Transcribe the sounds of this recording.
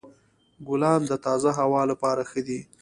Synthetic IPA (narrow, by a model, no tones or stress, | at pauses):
ɡʊlɑmd̪ət̪ɑzaɦawɑlapɑɾaxəd̪i